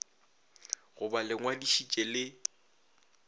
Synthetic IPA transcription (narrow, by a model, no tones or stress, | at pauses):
ɣʊbalɪŋwadiʃit͡ʃʼelɪ